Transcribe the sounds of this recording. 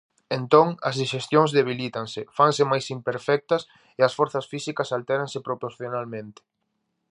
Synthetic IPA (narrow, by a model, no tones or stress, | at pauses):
ent̪oŋɐzðiʃest̪joŋzðeβ̞ilit̪ɐŋsɪfaŋsɪmajsimpeɾfɛk̚t̪ɐs | eɐsfɔɾθɐsfisikɐsalt̪ɛɾãŋsɪpɾopoɾθjonalmẽnt̪ɪ̥